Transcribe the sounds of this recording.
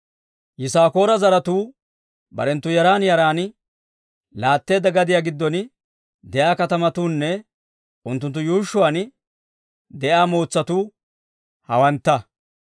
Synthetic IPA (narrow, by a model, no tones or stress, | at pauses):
jɪsaːko̞ːɾɐzɐɾɐt̪uː | bɐ̰ɾɛnt̪ːʊjɐɾaːnjɐɾaːn | laːt̪ːe̞ːd̪ːɐɡɐd̪ɪjaːɡɪd̪ːɔn | d̪ɛjaːkɐt̪ɐmɐt̪uːnːɛ | ʔʊnt̪ːʊnt̪ːʊjuːʃːʊaːn | d̪ɛʔaːmoːt͡sːɐt̪uː | hɐwɐnt̪ːɐ